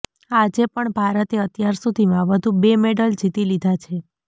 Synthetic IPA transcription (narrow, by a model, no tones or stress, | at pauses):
ad͡ʒepəɳbʱaɾət̪eət̪jaɾsud̪ʱimãʋəd̪ʱũbemeɖəld͡ʒit̪ilid̪ʱat͡ʃʰe